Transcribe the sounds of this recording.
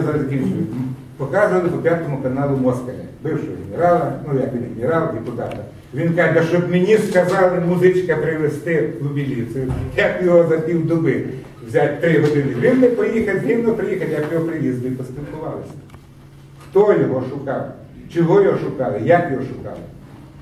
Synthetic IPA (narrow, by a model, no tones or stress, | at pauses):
zɐɾɐzʲkii | pɔkɑzʊʋɐlˠɪpɔpʲjat̪ɔmʊkɐnɑlˠʊmɔskɐmɪ̰bɪwʃɔɦʲmʲɪɾɑlˠɐnujakʋʲinʲɪɡmʲiɾɑlˠʲɪkʊd̪ɑ̰t̪ɐ | ʋʲinkɑʃt͡ʃɔbmenʲiskɐzɑlˠɪmʊzɪt͡ʃkɐpɾɪʋest̪ɪʋʊbʲilʲisɪjʊjakjɔɦɔzɐpʲiwd̪ʊbɪ | ʋzʲatʲt̪ɾɪɦɔd̪ɪnɪʋʲinmɪpɔjixɐt̪ʲɦɪwnɔpɾɪjixɐlʲjakjɔɦɔpɾɪʋʲizd̪ʊipɔst̪ʲɪlkʊʋɑlˠɪsʲɐ̥ | xt̪ɔjʲɔɦɔʃʊkɑw | t͡ʃɔɦɔjɔɦɔʃʊkɑlˠɪjakjɔɦɔʃʊkɑ̰lˠɪ